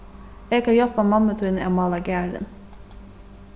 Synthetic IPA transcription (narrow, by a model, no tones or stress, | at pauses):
eːɡɑjɔlpɑmɑmət̪ʰʉnɛmɑlɑɡæːɖə̰n